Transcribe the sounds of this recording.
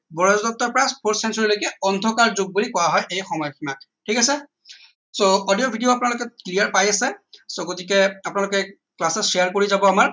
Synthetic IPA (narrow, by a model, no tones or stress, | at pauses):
bɔɹazdɔp̚tɔɹpɹaspʰoɹsɛnsɔɹilojkɛɔndʱɔkaɹzoɡ̚bulikɔɹaɦɔjʔejxɔmɔjɔkʰimak̚tʰikasɛ | soɔdiɔbʱidijoapunalʊkɛklijaɹpajasɛsoɡotikɛapʊnalʊkɛ | klasɔʃejaɹkoɹizabɔamaɹ